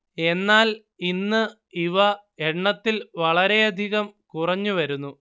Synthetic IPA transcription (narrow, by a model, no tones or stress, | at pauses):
e̞nːaːl | inːɨ | iʋɐeɳːɐt̪ːilʋɐɭɐɾe̞ɐd̪ʱiɣɐmkurɐɲːuʋɐɾunːu